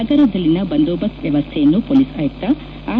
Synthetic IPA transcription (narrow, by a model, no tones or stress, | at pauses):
ɐɡɐɾɐd̪ɐlːinɐbɐnd̪oːbɐsʋjɛʋɐst̪ʰejɐnːupoːlisɐːjɐk̚t̪ɐ | aː